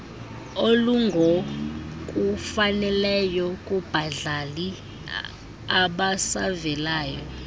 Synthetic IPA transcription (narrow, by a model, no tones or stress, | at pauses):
oluŋɡʱokʼufanɛlɛjɔkʼub̥ʱaɮali | aɓasavɛlaːjɔ